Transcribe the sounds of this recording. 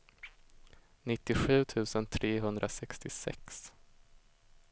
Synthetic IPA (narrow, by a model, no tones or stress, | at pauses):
nɪt̪ːɪɧʉ̟ːt̪ʰʉ̟ːsənt̪ʰɾeːɦɵnd̪ɾʔasɛkst̪ɪsɛ̰ks